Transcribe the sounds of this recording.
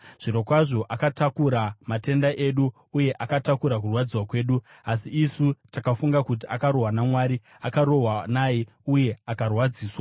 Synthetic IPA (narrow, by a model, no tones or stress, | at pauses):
ʐ̥iɾo̞kwaʐo̞ʔakatakuɾamate̞ndaʔeɗu | uje̞ʔakatakuɾak̬urwad͡ziwakwe̞ːɗu | asiisutakafuŋɡakut̬iakaɾo̞ɦwanamwaːɾi | akaɾo̞wanaji | uje̞akarwad͡ziːswa